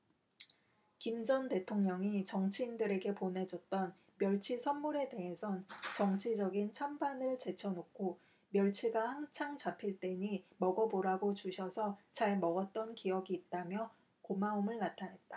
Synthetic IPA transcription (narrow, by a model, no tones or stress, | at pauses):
kimd͡ʑʌnte̞tʰoŋɲʌŋit͡ɕʌŋt͡ɕʰiːndɯɾe̞ɡe̞pone̞d͡ʑʌt̚t͈ʌn | mjʌɭt͡ɕʰisʰʌnmuɾe̞de̞ɦe̞sʰʌnt͡ɕʌŋt͡ɕʰid͡ʑʌɡint͡ɕʰambanɯɭt͡ɕe̞t͡ɕʰʌnokʰo | mjʌɭt͡ɕʰiɡahaŋsʰaŋt͡ɕapʰiɭt͈e̞ɲimʌɡʌboɾaɡot͡ɕuɕʰʌsʰʌt͡ɕaɭmʌɡʌt̚t͈ʌnkijʌɡiːt̚t͈amjʌ | komaumɯɭnatʰanɦe̞t̚t͈ḁ